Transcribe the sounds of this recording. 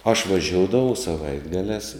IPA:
ɐʃ ʋɐˈʒʲoːʊdɐʋɐʊ sɐˈʋɐɪdɡɐlʲæːs

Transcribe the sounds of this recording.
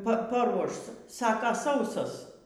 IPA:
ˈpɐ pɐˈruɔʃ ˈsɑːkɐ ˈsɐʊsoːs

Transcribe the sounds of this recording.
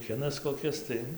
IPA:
ˈkʲɪnɐs koːˈkʲɪs tɐɪ

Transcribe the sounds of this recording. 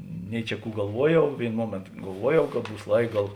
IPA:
ˈnʲɛɪ t͡ʃʲɛ ˈkuː ɡɐlˠˈʋuɔˌjɛʊ ˈʋʲeːɪnoː ˈmuɔmʲeːntoː ɡɐlˠˈʋuɔˌjɛʊ kɐt ˈbuːs ˈlˠɐɪk ˈɡɐlˠ

